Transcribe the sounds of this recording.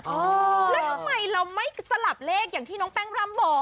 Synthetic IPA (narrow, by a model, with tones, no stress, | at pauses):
ʔːlɛ˨˦t̪ʰa˨˧˩ma˧jɾa˧wma˥˩jsa˧la˨˩p̚leː˥˩k̚jaː˨˩ŋt̪ʰiː˥˩nɔ˨˦˥ŋpɛː˥˩ŋɾa˥˩˨mbɔː˨˩k̚